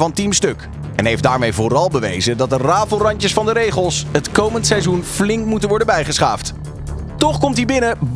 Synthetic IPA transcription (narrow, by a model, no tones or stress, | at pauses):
vɑntimstɵk | ɛnɦejfdaːɹmejvʊrɑlˠbəʋḛjzədɑt̚dəraːvlˠrɑɲcəsfɑndəɾejχəlˠsɦətkowməntsɛjzunflɪŋkmutənʋɔɹdəbɛjχəsχa̰ːft | tɔχkɔmtdibɪnəb